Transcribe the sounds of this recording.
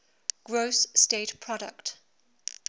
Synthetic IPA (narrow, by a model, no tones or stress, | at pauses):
ɡ̥ɹoʊsːteɪtpʰɹ̥ɔɾə̰kt